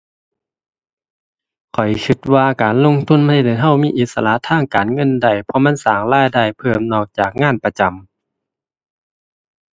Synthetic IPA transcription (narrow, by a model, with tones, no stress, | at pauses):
kʰɔ˨˩jkʰɯ˧t̪̚waː˧kaː˨˩nlo˧˨ŋt̪ʰu˧˥˨nma˧˨da˨˩jɦa˧˩˨wmiː˧˥˨ʔi˧˦t̪̚sa˧la˧t̪ʰaː˧˥˨ŋkaː˨nŋɤ˧˥˨nda˧˩jpʰɔ˧˦ma˧˥˨nsaː˨˩ŋlaː˧˥˨jda˧˩jpʰɤː˧˩mnɔː˧˩k̚t͡ɕaː˨˩k̚ŋaː˧˥˨npa˧t͡ɕa˨m